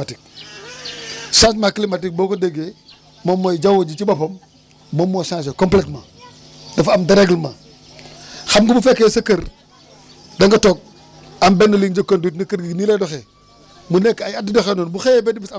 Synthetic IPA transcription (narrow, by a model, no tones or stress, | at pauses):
atik̚ | sas̬maklimatik̚boːkodeɡe | momːojd͡ʒawod͡ʒit͡ʃibapomː | omːosãːs̬ekompletmaː | dɐfamdɐɾeɡlmaː | xamɡubufekːesɐkɐɾ | dɐŋɡɐtok̚ | ambenːɐliŋd͡ʒɐkondutnɐkɐɾɡiɡniledoxeː | munekːajadidoxeːnoːnbuxebedibis